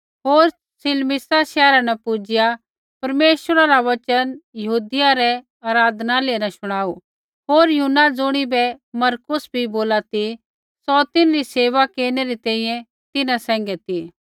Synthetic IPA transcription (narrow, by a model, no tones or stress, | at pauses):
ɦoːɾ | sɪlmɪsaʃɛːɾanɛpʊd͡ʒɪja | pɐɾmeːʃəɾaɾaʋɐt͡ʃənjɐɦuːd̪ɪjaɾɛ | aːɾaːd̪naleːnaʃʊɽ̃aːu | ɦoːɾjʊnad͡zʊɽ̃ibɛmɐɾkʊsbʱiboːlat̪i | sɔt̪ɪ̃nɾiseːʋakeːɾñɛɾit̪ɛ̃ːĩːjɛ̃ | t̪ɪnasɛ̃ːŋ̆ɡɛt̪i